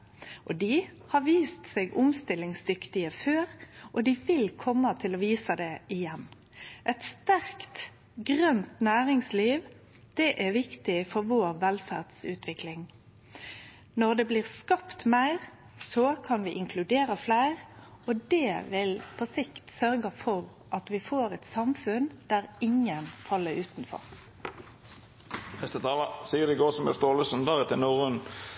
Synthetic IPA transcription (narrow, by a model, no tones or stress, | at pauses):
ʔɔd̪iː | hɑʋiːst̪seːɡʊmst̪ɪlɪŋsd̪ʏkt̪ɪəføːʁʔɔd̪iʋɪlkʰɔmːət̪ʰɪlɔʋiːsəd̪ɛɪjɛnː | ʔɛt̪st̪æʁkt̪ | ɡʁœnt̪næːʁɪŋsliːʋ | d̪̥ɛʔæʋɪkt̪ɪfɔʁʋoːɾʋɛlfæ̰ʁd̪̥sʉ̰ːt̪ʰʋɪklɪŋ | nɔʁd̪ɛbliːʁskɑpt̪mæɪʁ | sɔkʰɑnʋɪːʔɪŋkʰlʉd̪eːɾəflæɪʁɔd̪ɛːʋɪlpʰɔsɪkt̪sœɾɡəfɔʁ | ʔɑt̪ʋɪfoːʁɛt̪sɑmfʉnd̪̥æʁɪŋənfɑlːəɾʉːt̪nfɔ̰ʁ | hɛst̪ət̪ʰɑːʋɑsiːəd̪ɪɡoːsɔmɛ̰st̪oːləsnd̪ɑːʁət̪ʰɪlnuːʁʉn